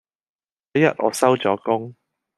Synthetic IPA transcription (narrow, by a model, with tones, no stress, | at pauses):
ɐ˨˥jɐ̰˨t̚ʔɔ̰ː˨˧˥sɐ˥wt͡sɔː˨˥kʊ˥ŋ